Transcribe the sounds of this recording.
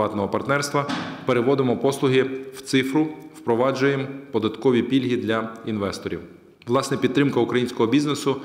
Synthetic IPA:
ɑt̪nɔɦɔpɐrt̪nɛrst̪ʋɐpeɾeʋɔd̪emɔpɔslˠʊɦɪw̥t̪sɪfɾʊwpɾɔʋɑd͡ʒʊjempɔd̪ɐt̪kɔʋʲipʲilʲɦid̪lʲɐinʋɛst̪ɔɾʲḭw | ʋlˠɑsnɛpʲid̪t̪ɾɪmkɐʊkɾɐjinʲsʲkɔɦɔbʲiznesʊ

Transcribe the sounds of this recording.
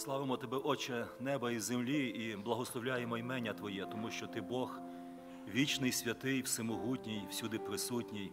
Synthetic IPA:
slˠɑʋemɔt̪ɔbɛʔɔt͡ʃɛnɛbɐizemlʲiiblˠɐɦɔslˠɔwlʲajemɔjmɛnʲɐt̪ʋɔjɛt̪ɔmuʃt͡ʃɔt̪ɪbɔx | ʋʲit͡ʃnɪjsʲʋʲɐt̪ɪjwsɪmɔɦutʲnʲijw̥sʲud̪ɪpɾɪsutʲnʲij

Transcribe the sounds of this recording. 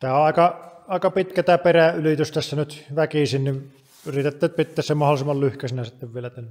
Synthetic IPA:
t̪æːoʔʔɑˑekɑɑˑekɑpit̪kæt̪æːperæylit̪yst̪æsːænyt̪ʋækisinnin | yrit̪et̪ːæt̪̚pit̪ːeːssemmɑholˑisimːɑllyhkæsinæsit̪ːeʋʋielæt̪ænː

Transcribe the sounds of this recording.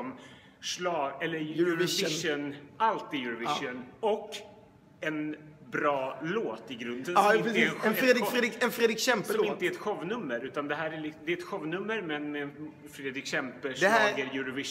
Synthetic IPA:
ɔm | ʂlɑːɛlːəɾvɪʂənalt̪ɪjʉɾavɪʂʊnɔkː | ɛnbɾɑːloːt̪ɪɡɾɵnd̪əɪnɛɾd̪ːd̪ɪɛnfɾeːd̪ɾɪkɕɛmpsəɔmɪnt̪əɛɾɛt̪ɧɔvnɵmːəɾʉ̟ːt̪and̪ɛɦæːɾælɪkd̪ɛɛt̪ɧɔvnɵmːəɾmɛnmɛn | fɾeːd̪ɾɪkɕɛmpəʂd̪ɑːɡəɾjʉɾavɪʂ

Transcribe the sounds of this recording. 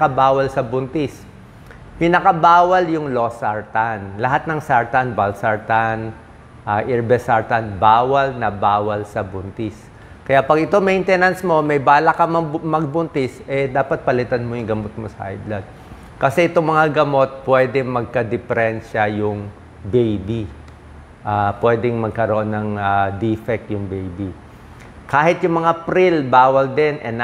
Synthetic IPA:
kɐbaːwɐlsɐbʊnt̪ɪs | pɪnɐkɐbaːwɐljʊŋlosaɹt̪anlɐɦat̪̚nɐŋsaɹt̪anbalsaɹt̪an | ʔɐʔɛɹbɛsaɹt̪anbaːwɐlnɐbaːwɐlsɐbʊnt̪ɪs | kɐjaʔpɐɡɪt̪oŋmɛjnt̪ɛnɐnsmo̞mɐjbaːlɐkɐmɐmɐɡ̚bʊnt̪ɪsʔɛd̪aːpɐt̪̚pɐlɪt̪anmojʊŋɡɐmot̪̚mosɐʔa̰jd̪lɐd̪̚ | kɐsɛʔɪt̪oŋmɐŋaɡɐmo̞t̪̚pwɛd̪ɛmɐɡ̚kɐd̪ɪfɛɾɛnʃɐjʊŋ | bejbi | ʔapwɛːd̪ɛŋmɐɡ̚kɐɾoʔonːɐŋad̪ifɛk̚t̪̚jʊŋbejbi | kaːhɪt̪jʊŋmɐŋapɾilbaːwɐld̪ɛnʔɛ̰n

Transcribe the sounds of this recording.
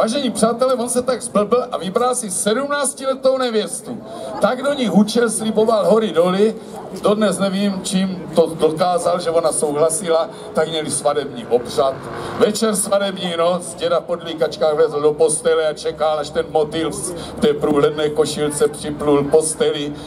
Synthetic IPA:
vaːʒɛɲiːpr̥aːt̪ɛlɛːvonsɛt̪aɡzbl̩bl̩ʔavɪbɾalsisɛdumnaːt͡scilɛt̪ownɛvjɛst̪u | t̪aɡdoɲiɦut͡ʃɛlslibo̞valɦoɾidoli | dodnɛsnɛviːmt͡ʃiːmt̪odokaːzalʒɛvo̞naso̞wɦlasila | t̪aɡmɲɛlisvadɛbɲiːʔopr̝̥at̪vɛt͡ʃɛɾsvadɛbɲiːnot͡sɟɛdapo̞dlikat͡ʃkaːɣvlɛzl̩dopo̞st̪ɛlɛat͡ʃɛkalaʃt̪ɛnmot̪ilft̪ɛːpɾuːlɛdnɛːko̞ʃilt͡sɛpr̥ɪplulpo̞st̪ɛlɪ

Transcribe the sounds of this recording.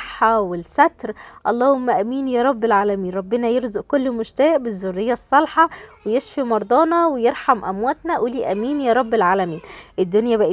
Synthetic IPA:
ħɑwelsæt̪ɾʔɑlˤːɑːhomːæʔæmiːnjæːɾˤɑbːelʕaːlæmiːnɾˤɑbːenɑjeɾzʊʔkolːmoʃt̪æːʔbezːorːejːɑsˤːɑlħɑwejeʃfimɑɾˤd̪ˤɑːnɑwejeɾˤħɑmʔæ̰mwæːt̪næʔuːliːʔæmiːnjæːɾˤɑbːelʕaːlæmiːnʔed̪ːonjæbæʔi

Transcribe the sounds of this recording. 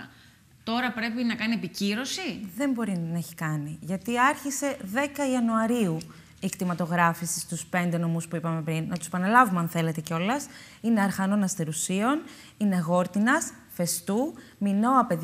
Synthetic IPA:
t̪o̞ɾɐpɾe̞pinɐkɐnie̞piciɾo̞siðe̞mbo̞ɾinɐeçi̥kɐniʝɐt̪iɐɾçise̞ðe̞kɐiɐnuɐɾiu | ikt̪imɐt̪o̞ɣɾɐfisist̪uspe̞nd̪eno̞muspuipɐme̞pɾinːɐt̪use̞pɐnɐlɐvumɐnθe̞le̞t̪e̞ceo̞lɐs | ineɐɾxɐno̞nɐst̪e̞ɾusio̞n | ine̞ɣo̞ɾt̪inɐs | fe̞st̪umino̞ɐpe̞ð

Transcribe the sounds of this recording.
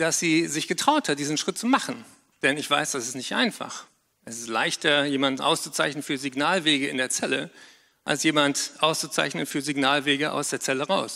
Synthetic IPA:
d̥asz̥iːzɪçɡ̥ətʁ̥aʊthat̚d̥iːzn̩ʃʁ̥ɪt̚t͡sumaχn̩ | d̥ɛnɪçv̥a̰ɪsd̥asɪ̥stnɪçtʔa̰ɪnfa̰χ | ʔɛsɪ̥stla̰ɪçtɐjeːmandn̩ʔa̰ʊst͡su̥t͡saɪçnənfyːɐziɡnaːlveːɡəɪ̰ndeːɐt͡sɛlə | ʔa̰lsjeːmantʔaʊst͡sut͡sa̰ɪçnənfyːɐzɪɡnaːlveːɡəʔa̰ʊsd̥eːɐt͡sɛləʁaʊs

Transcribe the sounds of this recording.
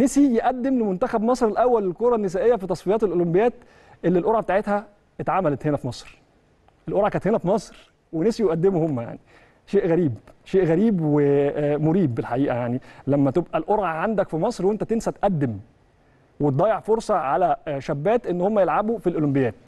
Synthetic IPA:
nesijeʔæd̪ːemlemont̪æxæbmɑsˤɾelʔæwːælelkoɾˤɑnːesæːʔejːæfit̪ɑsˤfijɑːt̪elʔolombejæːt̪ | ʔelːilʔoɾˤʕabet̪aːʕet̪hæ | et̪ʕaːmælæt̪henæfimɑsˤɾ | ʔelʔoɾʕakæːnt̪henæfmɑsˤɾ | wenesijoʔæd̪ːemuhomːæja̰ʕni | ʃeːʔɣæɾiːbʃeːʔɣæɾiːbwemoɾiːbːelħaʔiːʔæjaʕnilæmːæt̪ebʔælʔoɾʕaʕand̪ækfimɑsˤɾwent̪æt̪ensæt̪ʔæd̪ːem | wet̪̚d̪ˤɑːjeʕfoɾsˤɑʕalæʃæbːæːt̪ʔenːhomːæjelʕabufilʔolombejæːt̪̚

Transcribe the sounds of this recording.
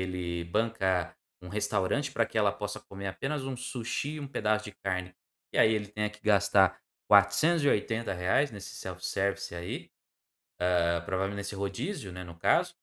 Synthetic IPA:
elɪbɐ̃ŋkɐ | ũɦest̪awɾɐ̃t͡ʃɪ̥pɾɐkɪɛlɐpɔsɐk̚omeɾapẽnɐzũsuʃiũped̪asʊd͡ʒɪk̚aɾnɪ | ɪaielɪt̪ẽj̃ɐkɪɡast̪aɾ | kwat̪ɾʊ̥sẽnt̪ʊziojt̪ẽnt̪ɐɦeajznesɪ̥sɛwfsɛɾvisɪai | ɛpɾovavemenesɪɦod͡ʒizjʊnɛnʊkazʊ

